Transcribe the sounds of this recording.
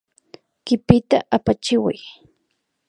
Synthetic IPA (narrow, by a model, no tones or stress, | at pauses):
kɪpɪt̪aʔapat͡ʃɪwa̰j